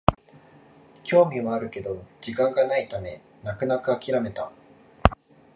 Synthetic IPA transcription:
kʲʰo̞ːmʲiβaːɾɯ̟ke̞d̪o̞d͡ʑikãŋɡanait̪ame̞ | nakɯ̟nakɯ̟akʲiɾame̞t̪a̰

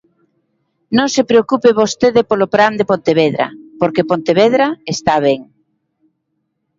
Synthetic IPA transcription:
nõŋsepɾeokupɪβost̪eðɪpolopɾand̪epont̪eβeðɾa̰poɾkepont̪eβeðɾaest̪aβ̞ɛŋ

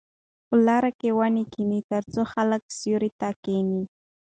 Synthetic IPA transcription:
ʊlaɾakewanikinit̪aɾt͡soxalak̚sjʊɾɪt̪akeni

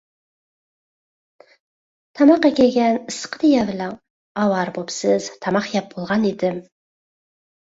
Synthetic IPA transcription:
t̪ʰɑmɑqekʲeɡʲɛnɨsqəd̪ijævɪlɑŋ | ɑwɑɾbopsɪz̥t̪ʰɑmɑqjɑp̚bolˠʁɑned̪ɪm

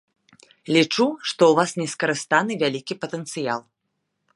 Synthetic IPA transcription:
lʲit͡ʂuʂt̪ɔwvasnʲɛskɐɾɨst̪anɨvʲalʲikʲipɐt̪ɛnt̪sɨja̰lˠ

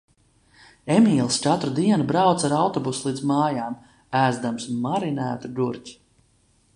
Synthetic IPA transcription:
emʲiːlˠst͡ʃat̪ɾud̪iɛnubɾawt̪saɾawt̪ɔbuslˠiːd̪zmaːjaːm | æːzd̪amsmaɾinæːt̪ud̪uɾt͡ʃʲ

